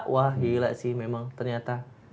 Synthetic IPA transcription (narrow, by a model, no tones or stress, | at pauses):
ʔwahjilaʔsihmemãŋt̪ərɲat̪a